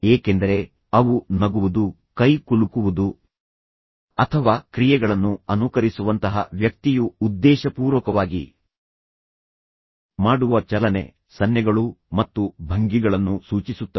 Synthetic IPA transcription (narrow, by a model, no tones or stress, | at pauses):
eːke̞nd̪ɐɾe̞ | ɐʋunɐɡuʋud̪u | kɐjkuɭukuʋud̪u | ɐt̪ʰɐʋaːkɾijɛɡɐɭɐnːuɐnukɐɾisuʋɐnt̪ɐɦɐ̰ʋjɐk̚t̪ijuːd̪ːɛːʃɐpuːɾʋɐkɐʋaːɡḭ | maːɽuʋɐt͡ʃɐlɐne̞̰ | sɐnjɐɡɐɭumɐt̪ːubʱɐŋɡiɡɐɭɐnːusuːt͡ʃisut̪ːɐ